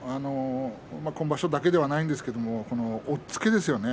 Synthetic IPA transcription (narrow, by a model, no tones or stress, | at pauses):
ano | mako̞nobaɕo̞d̪ake̞d̪e̞βanaĩnd̪esɨ̥ke̞d̪o̞mo̞ko̞no̞ːt͡sɨ̥ke̞d̪e̞sɨjo̞ne̞